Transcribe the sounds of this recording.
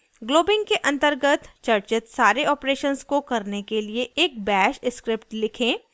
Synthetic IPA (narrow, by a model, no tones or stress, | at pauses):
ɡloːbɪ̃ŋɡkeʔɐ̃nt̪əɾɡət̪t͡ʃɐɾt͡ʃət̪saːɾeɔːpɾeːʃənskokɐɾnekelieʔeːk̚bɛːʃɪskɾɪpʈlɪkʰẽː